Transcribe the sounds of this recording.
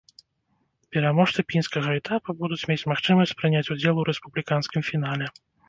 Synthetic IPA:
pʲɛɾamɔʂt̪ɨpʲinskɐɣɐɛt̪ʰapubud̪ut͡sʲmʲet͡sʲmaxt͡ʂɨmɐsʲt͡sʲsʲpɾɨnʲat͡sʲud͡zʲɛlˠuɾɛspublʲikanskʲimfʲin̪alʲɛ

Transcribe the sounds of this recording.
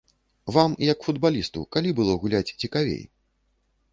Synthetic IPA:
vamjɐkfud̪balʲist̪ṵkalʲibɨlˠɔɣulʲat͡sʲt͡sʲikavʲḛj

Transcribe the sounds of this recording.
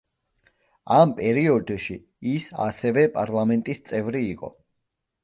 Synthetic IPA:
ampʼɛɾiɔd̪ʃi | isa̰sɛvɛpʼaɾlˠamɛnt̪ʼist̪sʼɛvɾiːqʼɔ̰

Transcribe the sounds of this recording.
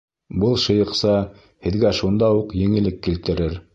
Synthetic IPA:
bɤlˠʃɤ̆jɤ̆qsɑ | hɘ̆ðɡæʃund̪ɑuqjɘ̆ŋɘ̆lɘkːilt̪ɘ̆ɾɘɾ

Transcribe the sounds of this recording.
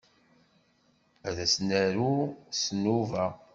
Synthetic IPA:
æðæsnæɾusnuvæ

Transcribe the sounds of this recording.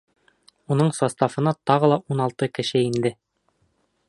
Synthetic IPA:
unɤɴsɒst̪ɑfɤ̆nɑt̪ɒʁɤ̆lˠɑʔunɑlˠt̪ɤkɘ̆ʃɘind̪ɘ

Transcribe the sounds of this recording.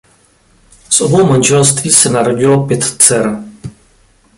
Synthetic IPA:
sʔobowmanʒɛlst̪viːsɛnaɾoɟɪlopjɛt̪t͡sɛɾ

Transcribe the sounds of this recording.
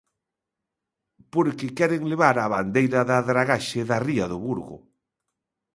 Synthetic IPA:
poɾkɪkɛɾɪŋleβaɾaβand̪ejɾɐðaðɾaɣaʃɪðɐriɐðʊβuɾɣʊ̰

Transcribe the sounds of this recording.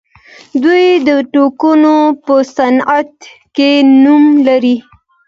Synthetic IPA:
d̪ujd̪əʈokunopəsanat̪kenumlaɾi

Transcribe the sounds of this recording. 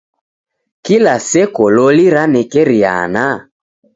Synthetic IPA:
kilasɛkɔlɔliɾanɛkɛɾia̰na

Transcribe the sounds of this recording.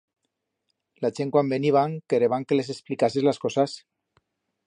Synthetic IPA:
lat͡ʃeŋkwambeniβ̞aŋkeɾeβaŋkeles̬esplikasezlaskɔsas

